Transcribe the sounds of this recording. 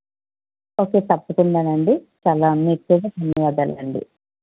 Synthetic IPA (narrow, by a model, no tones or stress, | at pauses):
oːke̞ːt̪ɐpːukuɳɖaːnɐɳɖi | t͡ʃaːlaːnːiʈ̪ːeɡɐsɐnɐjaːd̪ɐ̰lɐ̰ɳɖḭ